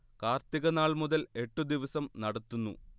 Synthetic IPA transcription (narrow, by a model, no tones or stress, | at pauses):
kaːrt̪iɣɐnaːɭmuðɐle̞ʈːud̪iʋɐsɐmnɐɽɐt̪ːunːṵ